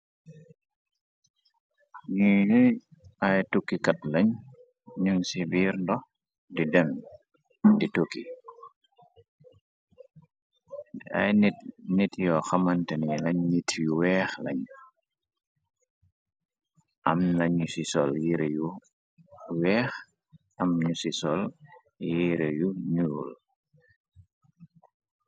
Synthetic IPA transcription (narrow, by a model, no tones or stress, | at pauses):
ɲi | ajtukːikat̚lɐɲ | ɲuŋsibiːɾndɔ | didɛm | ditukːi | dɛa̰jnnitjɔxɐmantɛnilɐɲɲitʰjuwɛːxlɐɲ | ʔɐmlɐɲusisɔljiɾeju | wɛːx | ɐmɲusisɔl | jiɾejuɲuṵl